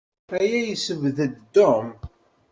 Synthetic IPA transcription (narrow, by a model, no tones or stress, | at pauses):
æjæjəsəvðəd̪ːom